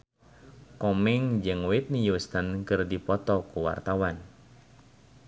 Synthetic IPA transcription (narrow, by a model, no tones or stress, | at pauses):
kɔmɛŋd͡ʒɨŋwit̪̚nijust̪ankɨrdipɔt̪ɔkuwa̰rt̪awan